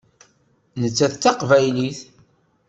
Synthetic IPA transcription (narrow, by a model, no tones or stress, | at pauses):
nət͡sːæθt͡sːɑqvæjliθ